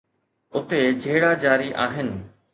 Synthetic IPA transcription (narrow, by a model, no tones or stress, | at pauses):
ʊt̪ed͡ʑʱeːɽad͡ʑaːɾiʔa̰ːɦɪnɪ̆